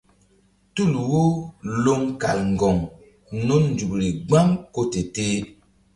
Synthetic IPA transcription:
tu˦˨lwo˦lo˦ŋka̰˨lŋ̩˨ɡɔ˨ŋ | no˦nn̩˨d͡ʒu˨bɾi˨ɡ͡ba˦ŋko˦te˨teː˦

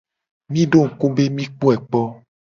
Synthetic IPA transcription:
mĩ˦ɖo˦˨ŋ̩˨ko˦be˦mĩ˦k͡po˦ɛ˨k͡pɔ˦

